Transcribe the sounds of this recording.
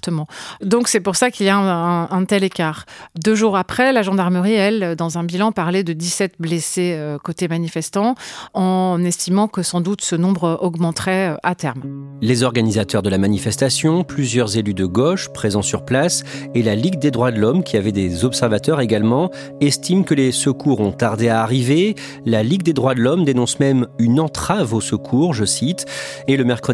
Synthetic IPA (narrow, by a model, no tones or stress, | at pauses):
t̪əmɑ̃d̪ɔ̃ksɛpuʁsakiljaɛ̃ɛ̃ʔɛ̃t̪ɛlekaːʁd̪øʒuʁapχɛlaʒɑ̃d̪aʁməʁiɛld̪ɑ̃zɛ̃bilɑ̃paʁlɛd̪əd̪isɛt̪̚bleseøkot̪emanifɛst̪ɑ̃ɑ̃nɛst̪imɑ̃kəsɑ̃d̪ut̪sənɔ̃bʁʔɔɡmɑ̃t̪χɛøʔat̪ɛʁm | lezɔʁɡanizat̪œʁd̪əlamanifɛst̪asjɔ̃plyzjœʁzelyd̪əɡoʃpχezɑ̃syʁplaselaliɡd̪ed̪ʁwad̪əlɔmkʲiavɛd̪ezɔpsɛʁvat̪œʁeɡalmɑ̃ | ɛst̪imkəlesəkuʁɔ̃t̪aʁd̪eaːʁive | laliɡd̪ed̪ʁwad̪əlɔmd̪enɔ̃smɛmynɑ̃t̪χavosəkʰuʁʒəsit̪eləmɛʁkχə